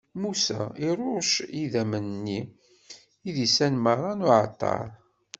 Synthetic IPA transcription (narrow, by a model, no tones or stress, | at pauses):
musæ̰iɾˤʊʃiðæmənnːi | iðisænməɾˤɑnʊʕt̪ˤːɑ̰ɾˤ